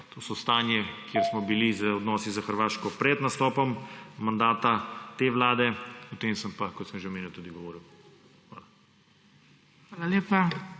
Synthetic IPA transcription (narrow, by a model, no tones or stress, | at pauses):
t̪ʰoːsɔst̪aːnjɛkjeɾsmɔbilizəɔd̪nɔːsizaxəɾʋaːʃkɔpɾɛd̪nast̪ɔːpɔmmand̪aːt̪at̪eːʋlaːd̪ɛɔt̪eːmsəmpakɔt̪səmʒewmeːnut̪uːd̪iɡɔʋɔːɾiw | xʋa̰ːla | xʋaːlaleːpa